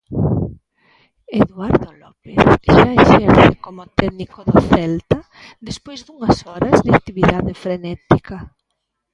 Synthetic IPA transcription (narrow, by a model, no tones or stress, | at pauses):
eðwaɾðolɔpeθʃaeʃɛɾθekomʊt̪ɛðnikoðoθɛlt̪ɐ | ðespojzðuŋɐsɔɾɐzðak̚t̪iβiðaðefɾenɛt̪ika